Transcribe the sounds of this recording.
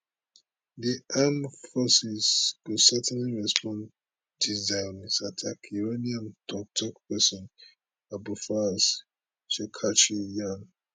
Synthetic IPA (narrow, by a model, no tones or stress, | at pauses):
diʔamfɔsiskusɛtʰɛ̃nliɹɛspʰɔ̃n | dizãɪnsatʰakʰiɹeniãmd̥ɔk̚tʰɔkpɛsɔ̃n | abufas | ʃɛkʰat͡ʃijan